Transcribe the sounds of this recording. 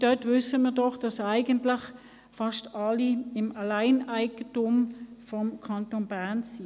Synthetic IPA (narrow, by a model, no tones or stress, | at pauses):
d̥œtvʏsəmiːʁdɔχd̥ɑsaɪɡəntlɪχ | fɑʃtɑliɪmalaɪnaɪɡətʊmfɔmkʰɑntoːnbæʁnsi